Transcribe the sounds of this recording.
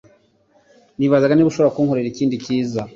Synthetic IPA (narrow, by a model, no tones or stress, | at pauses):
niβazaɡaniβuʃoβoɾakuːŋho̞ɾeɾiciːndiciːza